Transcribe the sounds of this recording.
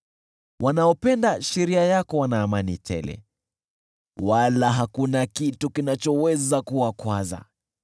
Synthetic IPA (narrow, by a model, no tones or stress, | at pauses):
wʔanaɔpɛndaʃɛɾiajakɔwanaːmanitʰɛ̰lɛ̰ | walaɦakunakitukinat͡ʃɔwɛzakuwakwaza̰